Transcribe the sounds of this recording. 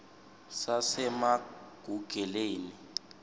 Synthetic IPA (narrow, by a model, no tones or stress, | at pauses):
sasɛmaɡ̥ʱuɡ̥ʱɛleːni